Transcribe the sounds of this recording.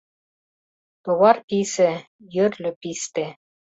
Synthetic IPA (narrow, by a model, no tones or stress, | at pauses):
t̪oβɑrpisĕ | jø̆rlʲø̆pist̪e